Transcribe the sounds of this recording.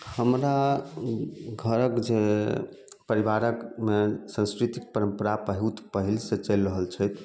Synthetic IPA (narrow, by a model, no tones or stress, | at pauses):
həmɾa | ɡʱəɾəkd͡ʒe | pəɾiʋaɾəkmesə̃nskɾit̪ik̚pəɾəmpəɾapəɦut̪pəɦilset͡ʃəlɾəɦəlt͡ʃʰəjt̪ʰ